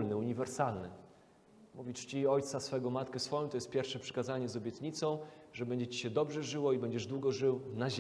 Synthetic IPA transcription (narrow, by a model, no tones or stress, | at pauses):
lnɘuɲivɛɾsalnɘ̰ | muvʲit͡ʂt͡ɕiɔjt̪sasfɛɡɔmat̪kɛsfɔjɔ̃t̪ɔjɛst̪pʲjɛɾfʂɛpʂɘ̥kazaɲɛzɔbʲjɛt̪ɲit̪sɔ̃w̃ʐɛbɛɲd͡ʑɛt͡ɕi̥ɕɛd̪ɔbʐɛʐɘwɔibɛɲd͡ʑɛʐd̪wuɡɔʐɘwnaʑ